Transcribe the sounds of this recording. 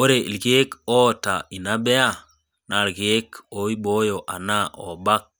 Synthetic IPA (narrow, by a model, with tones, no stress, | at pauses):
o˦ɾe˨ʔḭ˨lɡe˦ko˦˨ta˨i˨na˦be˦a˦ | na˨lɡe˦ko˨˦i˦bo˦jo˨ʔa̰˨na˦ʔo̰˨ba˦k̚